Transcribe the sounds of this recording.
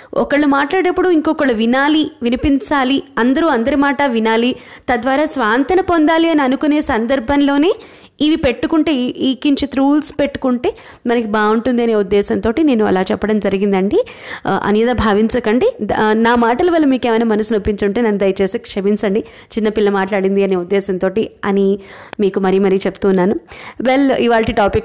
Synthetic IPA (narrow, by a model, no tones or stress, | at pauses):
ɔ̰kɐɭːumaːʈlaːɽɐpːuɽuiŋkoːkɐɭuʋinaːliʋinipiɲt͡ʃaːliɐnd̪ɐɾuːɐnd̪ɐɾimaːʈɐʋinaːlit̪ɐd̪ʋaːɾaːsʋaːnt̪ɐnɐpond̪aːliɐniɐnukune̞ːsɐnd̪ɐɾbʱɐnlo̞ːne̞ː | iʋipe̞ʈːukuɳʈe̞ːiːkiɲt͡ʃit̪ɾuːlspeʈːu̥kuɳʈe̞ː | mɐnɐkibaːuɳʈund̪iɐneːud̪ːɛːsɐnt̪o̞ːʈine̞ːnːuɐ̰laːt͡ʃɛpːɐɽɐmd͡ʒɐɾiɡind̪ɐɳɖi | ɐ̰njɐd̪ɐbʱaːʋiɲt͡ʃɐkɐɳɖinaːmaːʈɐlɐʋɐlːɐmiːkeːmɐjnaːmɐnɐsinɐpːiɲt͡ʃuɳʈeːnɐnːud̪ɐjɐt͡ʃeːseːkʂɐminsɐɳɖi | t͡ʃinːɐpilːɐmaːʈlaːɽind̪iɐneːud̪ːɛːsɐnt̪oːʈiɐ̰nimiːkumɐɾijumɐɾit͡ʃeput̪uːnːaːnuʋeliʋaːɭʈiʈaːpik